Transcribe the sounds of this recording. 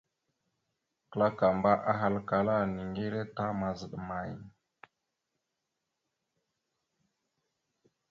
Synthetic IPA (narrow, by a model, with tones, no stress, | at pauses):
kə˨la˦ka˨mba˦ʔa˦ɦa˦lka˨la˦ni˨ŋɡi˦ɾe˦ta˦ma˨zə˨ɗə˨ma˨j